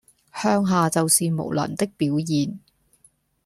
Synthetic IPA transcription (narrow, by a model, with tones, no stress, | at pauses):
hœː˥ŋɦaː˨t͡sɐ˨wsiː˨mo̰˨˩wlɐ̰˨˩nt̪ɪ˥k̚piː˨˥wjiː˨n